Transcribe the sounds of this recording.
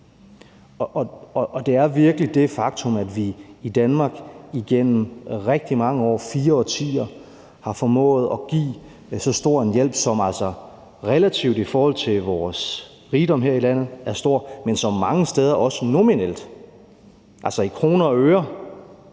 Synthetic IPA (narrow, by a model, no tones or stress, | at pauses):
ʔɒ̽ɒʔːd̥e̝æɐʋiɐɡ̥əlid̥e̝fɑ̈ɡ̥t͡sʰɔ̽mæd̥ʋiːd̥ænmɑ̈ːɡ̥iɡ̥en̰m̩ʁɛɡ̥̚d̥imɑ̈ŋəɒ̰ːfiːɐɒ̽t͡sʰḭːɐ | hɑ̈fɒ̽mɔ̰̽ːð̞̩ˠɒ̽ɡ̥ḭː | sɒ̽sd̥o̝ɐ̰enjel̰b̥sɒ̽mæl̰sɒ | ʁɛlæt͡sʰiʊd̥ifɒːhɒ̽l̰t͡sʰe̝lʋɒːs | ʁiːd̥ɒ̽mɦe̝ɐilæn̰ð̞̩ˠæɐsd̥o̝ɐ̰mensɒ̽mːɑ̈ŋəsd̥eð̞ˠɐʔɒ̽sənominel̰d̥ | ʔælsɒ̽ikʰʁo̝ːnɐɒøːɐ